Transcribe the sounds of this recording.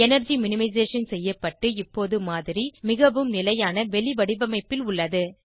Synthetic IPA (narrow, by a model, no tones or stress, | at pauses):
ɛnɐɾd͡ʒimɪnɪmɐɪzeːʂɐnsɛjːɐpːɐʈːɯɪpːoːðɯmaːðɪɾimɪɣɐʋɯmnɪlɐjaːnɐʋɛɭɪʋɐɽɪʋɐmɐɪpːɪlʊɭːɐðɯ